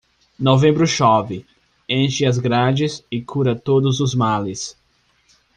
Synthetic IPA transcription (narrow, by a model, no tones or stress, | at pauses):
novẽbɾʊʃɔvɪ | ẽʃɪɐzɡɾad͡ʒɪsɪkʰuɾɐt̪od̪ʊzʊzmalɪs